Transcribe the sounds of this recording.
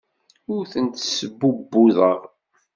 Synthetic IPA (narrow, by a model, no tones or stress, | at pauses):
ʊɾθənt̪səbːubːuðəʁ